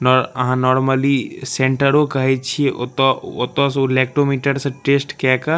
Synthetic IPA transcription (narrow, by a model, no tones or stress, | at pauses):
nɔɾəɦãnɔːɾməlisẽɳʈəɾokəɦɛt͡ʃʰieʔot̪ɔot̪ɔ̃solek̚ʈɾomiʈəɾsə̃ʈesʈkɛka